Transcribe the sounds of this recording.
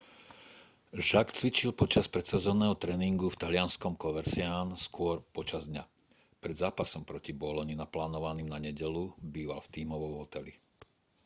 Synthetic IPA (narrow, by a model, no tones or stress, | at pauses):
ʒakt͡sʋit͡ʃilpɔt͡ʃaspɾɛt̪sɛzɔnɛːɦɔt̪ɾɛːniŋɡuft̪alɪanskɔmkɔʋɛɾsɪaːnskʊɔɾpɔt͡ʃazd̪ɲa | pɾɛd̪zaːpasɔmpɾɔcibɔlɔɲinaplaːnɔʋaniːmnaɲɛɟɛlubiːʋa̰lft̪iːmɔʋɔʊɦɔt̪ɛli